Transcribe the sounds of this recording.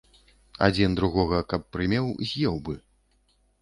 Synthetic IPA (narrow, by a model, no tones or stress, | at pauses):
a̰d͡zʲind̪ɾuɣɔɣɐkɐpːɾɨmʲɛwzʲjɛwbɨ